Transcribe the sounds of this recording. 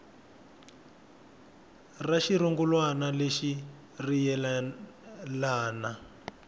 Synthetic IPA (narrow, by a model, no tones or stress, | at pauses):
raʃiɾuŋɡulwanaleʃi | rijɛ | laːna